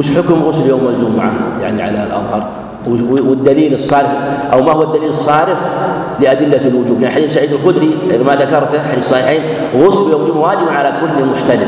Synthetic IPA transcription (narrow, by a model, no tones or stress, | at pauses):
mɪʃħʊkʊmɣʊsljoːmald͡ʒʊmʊʕa̰ja̰ʕniʕa̰lalʔɑ̰ðˤhɑɾˤ | wwɪd̪ːaliːlɨsˤːɑːɾɪfʔawmahʊwad̪ːaliːlɨsˤːɑːɾɪf | lɪʔad̪ɪlːalwʊd͡ʒuːblaʕnħad̪iːfsaʕiːd̪alqʊd̪ɾimaðakɑɾˤt̪ħad̪iːfsˤɑħiːħiːn | ɣʊsljoːmimwaːd͡ʒɪbnʕalakʊlːmʊħt̪alɪ